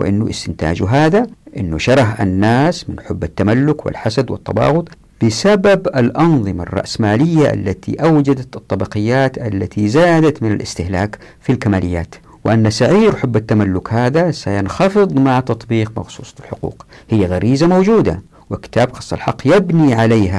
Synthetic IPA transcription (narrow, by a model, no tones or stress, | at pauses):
wɪ̰ʔɪnːʊʔɪ̰st̪ɪnt̪a̰ːd͡ʒuɦaːðaʔɪnːuʃɑɾˤɑħʔa̰nːaːsmɪnħʊbːat̪ːamalːʊkwɪ̰lħasad̪wɪ̰t̪ˤːɑbɑ̰ːɣʊt̪ˤ | b̥ɪsababalʔɑnðˤɨma̰rˤːɑ̰ʔsmaːlɪjːaʔa̰lːat̪ʰḭʔawd͡ʒad̪at̪ɑt̪ˤːɑbɑqɪjːaːt̪ʔalːat̪ʰizaːd̪at̪mɪna̰lʔɪ̰st̪ɪhlaːk | filkamaːlɪjːa̰ːt̪ | wɪʔanːasaʕiːɾħʊbːat̪ːamalːʊkhaːðasajanxɑfɨðˤmaʕt̪ɑt̪ˤbiːqmɑ̰xsˤuːsˤɑlħʊqṵːqhɪjːaɣaɾʔiːzamowd͡ʒuːd̪a̰ | wɪkɪ̥t̪aːbxɑ̥sˤːɑ̰lħɑqːjɪbniʕaleːɦa